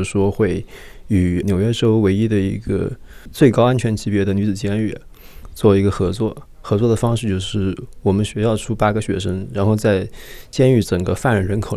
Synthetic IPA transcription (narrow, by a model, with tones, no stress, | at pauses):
ʂwɔ˥xwe˥˩ɪy˨˩njo˨˩ʊɥɛ˥ʈ͡ʂo˥ʊwe˧˥ɪi˥d̪ə˨ḭ˧˥ɡə̰˧t͡swe˥˩ɪkɑ˥ʊa˥nt͡ɕʰɥɛ˧˥nt͡ɕʰi˧˥pjɛ˧˥d̪ə˨ny˧˥t͡sɹ̩˨˩t͡ɕjɛ˥ny˥˩ | t͡swɔ˥˩i˧˥ɡə˧xɤ˧˥t͡swɔ˥˩ | xɤ˧˥t͡swɔ˥˩d̪ə˩fɑ˥ŋʂɻ̩˥˧t͡ɕjo˥˧ʊʂɻ̩˥˩wɔ˨˩mə˦nɕɛ˧˥jɑ˥˩ʊʈ͡ʂʰu˥pa˥ɡə˨ɕɥɛ̰˧˥ʂ̬ə˥ŋɻa˧˥nxo˥˧ʊt͡sa˥˧ɪt͡ɕjɛ˥ny˥˩ʈ͡ʂɤ˨˩ŋɡə˦fa˥˩nɻə˧˥˩ɻə˧˥nkʰo˨˩ʊ